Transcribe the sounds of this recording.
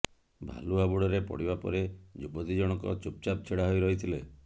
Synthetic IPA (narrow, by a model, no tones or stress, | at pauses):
bʱa̰luabuɽɔɾepɔ̰ɽibapɔ̰ɾed͡ʒubɔt̪id͡ʒɔɽ̃ɔkɔ̰t͡ʃup̚t͡ʃap̚t͡ʃʰeɽaɦɔjɾɔɦit̪ʰile